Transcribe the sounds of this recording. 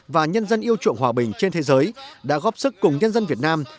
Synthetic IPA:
vaː˨˩ɲə˧nzə˧nʔi˧əwt͡ɕṵ˧˨əŋɦwaː˨˩ɓï˨˩ŋ̟t͡ɕe˧nt̪ʰe˨˦zəː˨˦jɗa̰ː˧˥ɣɔː˦˥p̚sɨ˦˥kːʊ˨˩ŋ͡mɲə˧nzə˧nvi˨˩ət̚naː˧m

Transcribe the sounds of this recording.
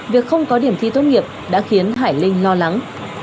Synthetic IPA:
vi˨˩ək̚xə˧wŋ͡mkɔ˨˦ɗi˧˩əmt̪ʰḭ˧t̪oə˧wŋ͡mŋi˨˩əp̚ɗa̰ː˧˥xi˨˦ənɦaː˧˩jlï˧ŋ̟lɔ˧la˨˦ŋ

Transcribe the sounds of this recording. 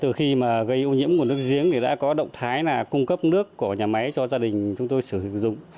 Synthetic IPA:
t̪ɨ˨˩xi˧maː˨˩ɣə˧jʔo˧ɲḭ˧˥əmku˧˩ənɨ˦˥ək̚zi˨˦əŋɗe˧˩ɗa̰ː˧˥kɔ˨˦ɗə̰˧˨wŋ͡mt̪ʰaː˨˦jnaː˨˩kʊ˧ŋ͡mkə˦˥p̚nɨ˦˥əkːu˧˩əɲaː˨˩ma˨˦jt͡ɕɔ˧zaː˧ɗï˨˩ŋ̟t͡ɕʊ˨˦ŋ͡mt̪o˧jsɨ˧˩hḭ˧˨ŋzʊ̰˧˨ŋ͡m

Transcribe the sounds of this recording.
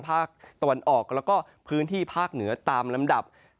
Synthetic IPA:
pʰaː˥˩k̚t̪a˧wa˧nʔɔː˨˩k̚lɛː˦˥wkɔː˥˩ | pʰɯː˦˥nt̪ʰiː˥˩pʰaː˥˩k̚nɯ˩˦ɐt̪aː˧mla˧mda˨˩p̚

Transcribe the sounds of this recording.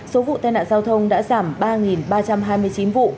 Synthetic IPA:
so˨˦vṵ˧˨t̪aː˧jna̰ː˧˨zaː˧wt̪ʰə˧wŋ͡mɗa̰ː˧˥zaː˧˩mɓaː˧ŋi˨˩nɓaː˧t͡ɕa˧mɦaː˧jmɨ˧əjt͡ɕi˨˦nvṵ˧˨

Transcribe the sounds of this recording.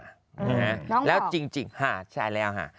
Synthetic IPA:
a˦˥˧lɛː˦˥wt͡ɕi˧ŋt͡ɕi˧ŋha˦˧˩t͡ɕʰa˥˩jlɛː˦˥wɦa̰˧˥˩

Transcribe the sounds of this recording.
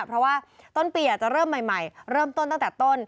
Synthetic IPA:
pʰɾɔ˦˥waː˥˩ | t̪o˥˩npiː˧jaː˨˩k̚t͡ɕa˨˩ɾɤː˥˩mːa˨˩jma˨˩jɾɤː˥˩mt̪o˥˩nt̪a˥˩ŋt̪ɛː˨˩t̪o˥˩n

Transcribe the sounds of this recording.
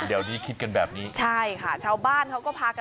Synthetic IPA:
di˨˩˦wt̪ʰiː˦˥˩kʰi˦t̪̚ka˧nbɛː˨˩p̚niː˦˥t͡ɕʰa˥˩jkʰa˥˩t͡ɕʰaː˧wbaː˥˩nkʰa˥wkɔː˥˩pʰaː˧ka˧

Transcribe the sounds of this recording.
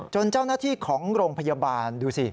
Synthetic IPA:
t͡ɕo˧nt͡ɕa˥˩wnaː˥˩t̪ʰiː˥˩kʰɔː˩˦ŋɾoː˧ŋpʰa˧ja˧baː˧nduː˧si˧˩

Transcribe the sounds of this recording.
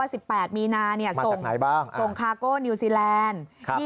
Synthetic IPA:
aː˥˩si˨˩pːɛː˨˩t̪̚miː˧naː˧ni˥˩ɐa˦so˨˩ŋna˨˩˦jbaː˥˩ŋso˨˩ŋkʰaː˧koː˥˩niː˧siː˧lɛː˧nʰ˦˥˩

